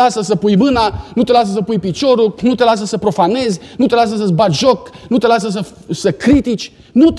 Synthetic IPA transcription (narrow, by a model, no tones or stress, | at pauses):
asəsəpujmɨnanut̪e̞las̬əs̬əpujpit͡ʃo̞ɾunut̪e̞las̬əsəpɾo̞fane̞zʲnut̪e̞las̬əs̬əbat̪ʒo̞knut̪e̞las̬əs̬ə | səkɾit̪it͡ʃʲ | nut̪